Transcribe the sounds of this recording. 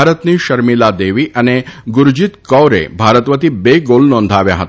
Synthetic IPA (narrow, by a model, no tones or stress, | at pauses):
aɾət̪niːɕəɾmilad̪eʋiːʔaneɡuɾd͡ʑit̪kɔwɾḛbʱaɾət̪ʋət̪iːbeɡolnɔnd̪ʱaʋja̰ɦə̰t̪